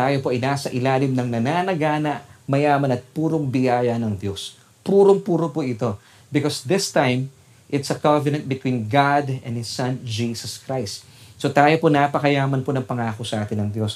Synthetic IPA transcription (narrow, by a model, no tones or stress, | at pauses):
t̪aːjo̞po̞ʔɐjnaːsɐʔɪlaːlɪmnɐŋnɐnaːnɐɡaːnɐʔmɐjaːmɐnɐt̪̚puːɾoŋbɪjaːjɐnɐŋd̪jo̞s | puːɾoŋpuːɾopoʔɪt̪o̞ | bɪkosd̪ɪst̪ãjm | ʔɪt̪sɐkavɛnɐ̃nt̪̚bɪt̪wĩnɡad̪ɛ̰̃nhɪsːɐ̃nd͡ʒiːsɐskɹajst̪ | sot̪aːjo̞ponaːpɐkɐjaːmɐnponɐŋpɐŋaːko̞sɐʔaːt̪ɪnːɐŋd̪jo̞s